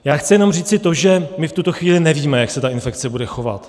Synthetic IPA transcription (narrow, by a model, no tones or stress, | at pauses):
jaːxt͡sɪjɛno̞mriːt͡sɪt̪o̞ʒɛmɪft̪ut̪o̞xviːlɪnɛviːmɛjaksɛt̪aʔɪnfɛkt͡sɛbudɛxo̞va̰t̪